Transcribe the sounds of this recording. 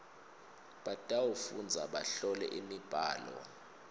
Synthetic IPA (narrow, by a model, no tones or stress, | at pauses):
ɓatʼawofund͡zʱaɓa̰ɬɔlɛ̰ʔimib̥ʱa̰ːlɔ̰